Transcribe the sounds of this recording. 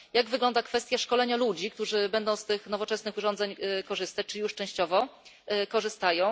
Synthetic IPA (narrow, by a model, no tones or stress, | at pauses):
jaɡvɘɡlɔnd̪akfɛst̪ʲjaʂkɔlɛɲalud͡ʑik̚t̪uʐɘbɛnd̪ɔ̃w̃st̪ɘxnɔvɔt͡ʂɛsnɘxuʐɔnd̪zɛɲkɔʐɘst̪at͡ɕt͡ʂɘijuʂt͡ʂɛ̃w̃ɕt͡ɕɔvɔ | kɔʐɘst̪ajɔ̃w̃